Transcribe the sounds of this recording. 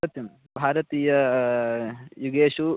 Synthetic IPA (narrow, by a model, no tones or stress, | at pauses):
ɐt̪jum | bʱaːɾɐt̪iːjɐ | juɡeːʂu